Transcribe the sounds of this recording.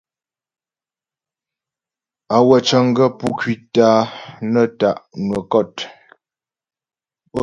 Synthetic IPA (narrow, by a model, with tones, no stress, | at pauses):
a˨wə˨t͡ʃə˨ŋ˦ɡə˦pu˦kɥi˦taː˨˦nə˦ta˨ʔnwə˨kɔ˦˨t